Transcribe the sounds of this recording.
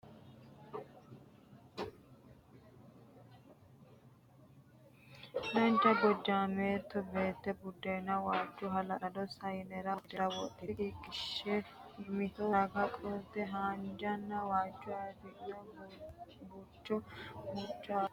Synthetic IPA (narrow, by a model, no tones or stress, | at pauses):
lɐnd͡ʒɐɡɔd͡ʒːaːmeːt̪ːɔbe̞ːt̪ːɛbʊd̪ːenːɐwaːd͡ʒːɔɦɐlɐʔɐd̪ɔsɐjnɛɾɐd̪ɛɾɐwɔʔːɪɡiɡɪʃːemɪt̪ɔɡɐkʼɔd̪ɛɦaːnd͡ʒɐnːɐwaːt͡ʃːʊɐd̪ɪɐ | but͡ʃːɔbʊt͡ʃːa